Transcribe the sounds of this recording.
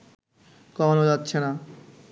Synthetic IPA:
kɔmanod͡ʑatːɕʰena

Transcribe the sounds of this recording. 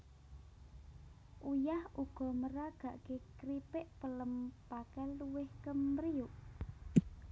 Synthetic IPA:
ʔujahuɡ̥ɔ̤məɾaɡ̥ä̤ʔkekɾipɪʔpələmpakɛluwɪhkəmɾiuʔ

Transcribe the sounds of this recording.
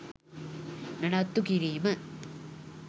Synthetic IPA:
nɐnɐt̪ːukiɾiːmɐ

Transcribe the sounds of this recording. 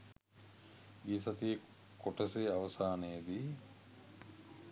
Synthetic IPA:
ɡiːsat̪ije | koʈɐseaʋɐsaːneːd̪iː

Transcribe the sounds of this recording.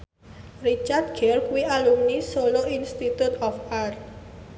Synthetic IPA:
rit͡ʃart̪̚ɡ̥ɛrkuwiʔalumnisoloinst̪it̪ut̪ɔfart̪̚

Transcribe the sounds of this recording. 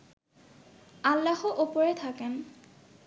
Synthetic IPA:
alːaxɔʔupoɹet̪ʰaken

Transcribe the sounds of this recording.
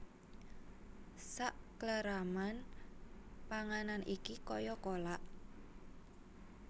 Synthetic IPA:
saʔkləɾaman | paŋananʔikikɔjɔkolaʔ

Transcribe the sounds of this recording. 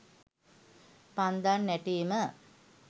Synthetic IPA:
pand̪anːɛʈimə

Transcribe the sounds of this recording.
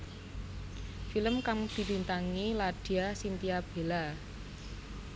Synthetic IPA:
filəmkaŋd̪̥i̤lint̪aŋilad̥iasint̪iab̥e̤la

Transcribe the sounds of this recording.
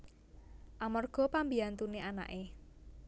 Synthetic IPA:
ʔamɔrɡ̥ɔ̤pambiant̪uneʔana̰ʔe

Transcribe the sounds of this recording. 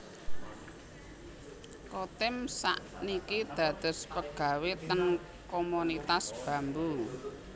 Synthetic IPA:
kot̪ɪmsa̰ʔnikid̪̥a̤d̪̥ə̤spəɡ̥ä̤wet̪əŋ | komunit̪asb̥ä̤mbu

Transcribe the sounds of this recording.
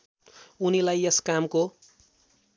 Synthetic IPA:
unilajeskamko

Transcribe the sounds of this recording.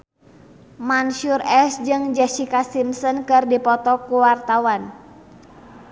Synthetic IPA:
manʃurɛsd͡ʒɨŋd͡ʒɛsikasimsɔnkɨrdipɔt̪ɔkuwart̪awan

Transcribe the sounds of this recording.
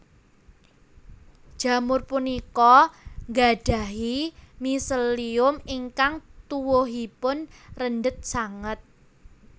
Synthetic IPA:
d̥ʒ̥ä̤mʊrpunikɔŋɡaɖ̥a̤ɦimisəliʊmiŋkaŋt̪uwoɦipʊnrəndət̪̚saŋət̪̚

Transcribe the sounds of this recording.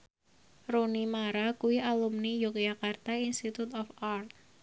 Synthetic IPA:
ronimaɾakuwiʔalumnijɔk̚d͡ʒakart̪ainst̪it̪ut̪ɔfart̪̚

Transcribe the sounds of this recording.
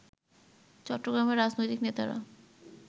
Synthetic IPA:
t͡ɕɔʈːoɡɾameɾːad͡ʑnojt̪iknet̪aɾa̰

